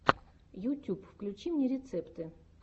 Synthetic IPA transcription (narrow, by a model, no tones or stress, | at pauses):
jut̪ʲupfklʲʉt͡ɕimnʲeɾʲɪt̪sɛpt̪ɨ